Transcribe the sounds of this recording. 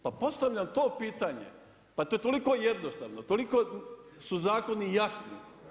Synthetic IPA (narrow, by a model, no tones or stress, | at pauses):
papo̞st̪aʋʎʲamt̪o̞ːpiːt̪aɲḛ | pat̪oːjet̪o̞liko̞jed̪nost̪a̰ʋnot̪oliko̞suzaːko̞nijasnḭ